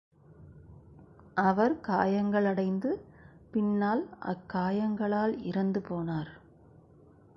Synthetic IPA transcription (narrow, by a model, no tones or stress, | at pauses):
ʔɐʋɐɾkaːjɐŋɡɐɭɐɽɐɪnd̪ɯpɪnːaːlʔɐ̰kːaːjɐŋɡɐɭaːlɪɾɐnd̪ɯpoːnaːɾ